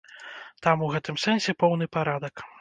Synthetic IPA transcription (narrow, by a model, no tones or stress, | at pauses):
t̪amuɣɛt̪ɨmsɛnsʲɛpɔwn̪ɨpaɾad̪ɐk